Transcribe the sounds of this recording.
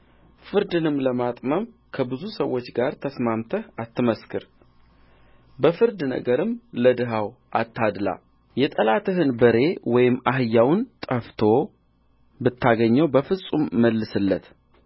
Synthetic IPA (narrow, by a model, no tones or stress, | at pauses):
fɨɾd̪ɨnɨmləmat̪ʼməmkʰəbɨzusəwːo̞t͡ʃːɡaɾt̪ʰəsmamt̪ʰəhat̪ʰːɨməskʰɨɾ | bəfɨɾd̪nə̰ɡəɾɨmləd̪ɨɦaw | ʔat̪ʰːad̪la̰ | jɛt̪ʼəlat̪ʰɨɦɨnbəɾe̞wɔjɪmːaɦɨjːawnt̪ʼəft̪ʰo̞ | bɨt̪ːaɡəɲːəwbəfɨsʼumːəlːɨsɨlːət̪